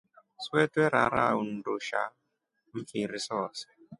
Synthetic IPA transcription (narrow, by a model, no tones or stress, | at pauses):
swɛtwɛɾa̰ɾa̰un̩doʃa̰ | m̩fiɾisɔs